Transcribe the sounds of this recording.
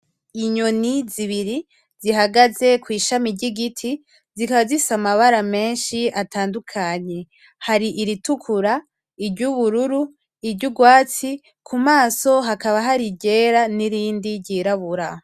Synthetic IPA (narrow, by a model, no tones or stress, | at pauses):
iɲoniziβiɾi | ziɦaɡaze̞kwiːʃamiɟiɡitʰi | zikaβazisamaβaɾame̞ːnʃiatʰaːndukʰaɲe̞ | haɾiʔiɾitukʰuɾa | ibɟuβuɾuɾu | ibɟuɡwaːt͡si | kʰumaːso̞ɦakaβaɦaɾiɟe̞ːɾaniɾiːndiɟiːɾaβuɾa